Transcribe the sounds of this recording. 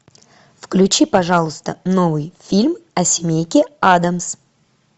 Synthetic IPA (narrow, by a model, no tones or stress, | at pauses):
fklʲʉt͡ɕipɐʐalˠʊst̪əno̞vɨjfʲilʲmɐsʲɪmʲejkʲɪad̪əms